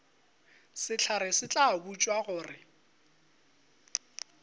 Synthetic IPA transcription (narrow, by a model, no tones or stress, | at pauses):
sɪt͡ɬʰaɾɪsɪt͡ɬʼabut͡ʃʼwaɣʊːrɪ